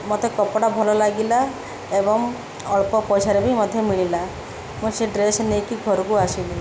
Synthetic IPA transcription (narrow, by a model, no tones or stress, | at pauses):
mot̪ekɔpɔɽabʱɔlɔlaɡila | ebɔŋ | ɔɭpɔpɔjsaɾebʱimɔd̪ʱjɔmiɭ̃ila | museɖɾesnekiɡʱɔɾɔkuasili